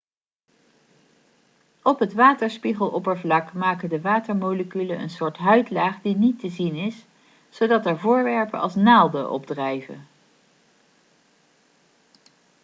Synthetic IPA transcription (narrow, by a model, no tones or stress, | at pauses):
ɔpɦətʋaːtəɹspiχəlˠʔɔpəɹvlɑkmaːkəndəʋaːtəɹmowləkylənə̰nsʊːɹtɦœɥtlaːχdinitəzinɪs | z̥owdɑtɛɹvʊːɹʋɛɹpə̰nɑ̰lˠsnaːlˠdəʔɔ̰b̚drɛjvə̰